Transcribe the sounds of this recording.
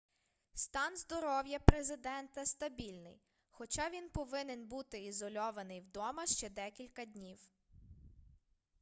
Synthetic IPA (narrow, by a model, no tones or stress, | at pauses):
st̪ɑnzd̪ɔɾɔwjɐpɾezɪd̪ɛnt̪ɐst̪ɐbʲilʲnɪ̰j | xɔt͡ʃɑʋʲinpɔʋɪnenbut̪ɪizɔlʲɔʋɐnɪjwd̪ɔmɐʃt͡ʃɛd̪ɛkʲilʲkɐd̪ʲnʲiw